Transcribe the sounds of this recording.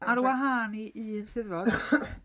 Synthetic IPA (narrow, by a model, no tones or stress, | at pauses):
aɾwaɦaːniʔinsɪðvɔd̥